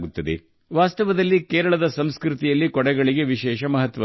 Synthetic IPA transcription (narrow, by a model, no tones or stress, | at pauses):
ɡut̪ːɐd̪ḛ | ʋaːst̪ɐʋɐd̪ɐlːikeːɾɐɭɐd̪ɐsɐmskɾut̪ijɐlːikɔɽɛɡɐɭiɡe̞ʋiʃɛːʃɐmɐɦɐt̪ʋɐ